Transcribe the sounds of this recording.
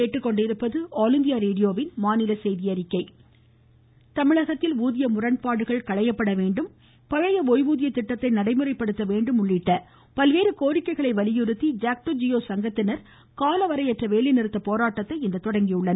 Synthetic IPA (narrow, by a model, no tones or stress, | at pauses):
eːʈːɯkːɔɳɖɪɾɯpːɐðɯaːlɪnd̪ɪjaːɾeːɽɪjoːʋɪnmaːnɪlɐsɛjðɪjɐɾɪkːɐɪ | t̪ɐmɪɭɐɣɐt̪ːɪluːðɪjɐmʊrɐɳpaːɽɯɣɐɭkɐɭɐjɐpːɐɽɐʋeːɳɖɯm | pɐɻɐjɐoːjʋuːðɪjɐt̪ːɪʈːɐt̪ːɐɪnɐɽɐɪmɯrɐɪpːɐɽɯt̪ːɐʋeːɳɖɯmʊɭːɪʈːɐ | pɐlʋeːɾɯkoːɾɪkːɐɪɣɐɭɐɪʋɐlɪjɯɾɯt̪ːid͡ʒaːk̚ʈod͡ʒɪjoːsɐŋɡɐt̪ːɪnɐɾ | kaːlɐʋɐɾɐɪɛʈrɐʋeːlɪnɪɾɯt̪ːɐpoːɾaːʈːɐt̪ːɐɪɪnd̪ɐt̪ɔɽɐŋɡijʊɭːɐn